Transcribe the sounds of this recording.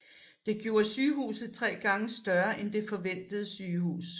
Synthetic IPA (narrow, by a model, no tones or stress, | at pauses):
d̥e̝ɡ̥jo̝̰ːɐsyːhṵːsð̩ˠt͡sʰʁɛ̰ːɡ̥ɑ̈ŋəsd̥ɶɐʔend̥e̝fɒ̽ʋen̰d̥əð̞̩ˠəsyːhṵːs